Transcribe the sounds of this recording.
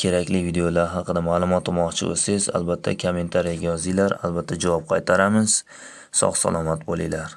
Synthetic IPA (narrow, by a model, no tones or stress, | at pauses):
kʲʰe̞ɾakʲlɪvid̪ejolaɾɦɑqʰɨd̪amaːlˠʊmɒt̪ʰːʊmɒqt͡ʃʰɪ̰o̰sɪza̰lbat̪ʰːa̰kʰome̞nt̪ʰaɾijaɡʲajɒzɪlaɾa̰lbat̪ʰːad͡ʒavɒp̚qʰɑjt̪ʰaɾamɪz̥ | sɒ̰χsa̰lˠɒmat̪bolˠɪjlaɾ